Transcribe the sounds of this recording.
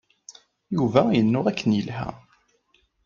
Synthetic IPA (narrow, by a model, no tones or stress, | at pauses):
juvæjənːʊʁækːənjəlhæ̰